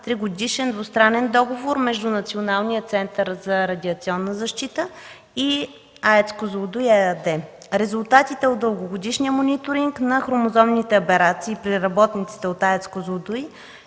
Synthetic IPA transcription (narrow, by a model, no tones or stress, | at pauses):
t̪ɾiɡod̪iʃɛnd̪vost̪ɾanɛnd̪ɔɡovoɾmɛʒd̪unɐt̪sionalˠnijət̪sɛnt̪əɾzɐɾɐd̪ʲiɐt̪siɔnːəzɐʃt̪it̪ə | i | aɛt̪skozˠod̪ujɛd̪ɛ | ɾɛzulˠt̪at̪it̪ɛot̪̚d̪əlˠɡoɡod̪iʃnijəmonʲit̪oɾiŋknɐxɾomozɔmnit̪ɛopɛɾat̪siːpɾiɾɐbɔt̪nit̪si̥t̪ɛot̪aɛt̪skozˠod̪uj